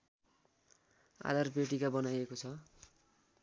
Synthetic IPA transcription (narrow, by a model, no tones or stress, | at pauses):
a̰d̪arpeʈikabʌnajekot͡sʰʌ